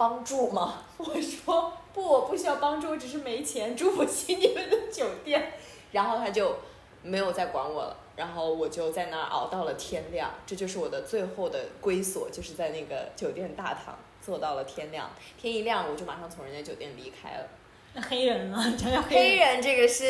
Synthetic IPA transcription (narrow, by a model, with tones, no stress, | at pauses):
pɑ˥ŋʈ͡ʂu˥˩mɐ˩ | wɔ˨˩ʂwɔ˥pu˥˩wɔ˨˩pu˥˩ɕy˥jɑ˥˩ʊpɑ˥ŋʈ͡ʂu˥˧˩ʈ͡ʂ̩˨˩ʂ̬ɻ̩˥˩me˧˥ɪt͡ɕʰjɛ˧˥nʈ͡ʂu˥˩wɔ˨˩ɕi˥ŋɛ˥˧˩d̪ə˥˧˩d̪ə˧˩t͡ɕjo˨˩ʊt̪jɛ˥˩n | ɻa˧˥nxo˥˩t̪ʰa˥t͡ɕjo˥˧ʊ | me˧˥ɪjo˨˩ʊt͡sa˥˩ɪkwa̰˧˥nwɔ̰˨˩lə̰˦ɻa˧˥nxo˥˩ʊwɔ˨˩t͡ɕjo˥˧ʊt͡sa˥˧ɪna̰˥˩ʔɑ̰˨˩ʊt̪ɑ˥˩ʊlə˩t̪ʰjɛ˥nljɑ̰˥˩ŋʈ͡ʂɤ˥˧t͡ɕjo˥˧ʊʂɻ̩˥˩wɔ˨˩d̪ə˦t͡swe˥˧ɪxo˥˩ʊd̪ə˩kwe˥ɪswɔ̰˨˩t͡ɕjo˥˧ʊʂɻ̩˥˧t͡sa˥˧ɪna˥˩ɡə̰˩t͡ɕjo˨˩ʊt̪jɛ˥˧nt̪a̰˥˩t̪ʰɑ̰˧˥ŋ | t͡swɔ˥˧t̪ɑ˥˩ʊlə˩t̪ʰjɛ˥nljɑ̰˥˩ŋ | t̪ʰjɛ˥ni˧˥ljɑ˥˩ŋwɔ˨˩t͡ɕo˥˩ma˨˩ʂɑ˥˩ŋt͡sʰʊ˧˥ŋɻə˧˥nd̪ə˧t͡ɕjo˨˩ʊt̪jɛ˥˩nli˧˥kʰa̰˥ɪlə̰˨ | a˥˩xe˥ɪɻə˧˥nɐ˧˨˩t͡ɕɑ˥jɑ˥˧xe˥ɪɻə˧˥nʈ͡ʂɤ˥˩ɡə˩ʂɻ̩˥˩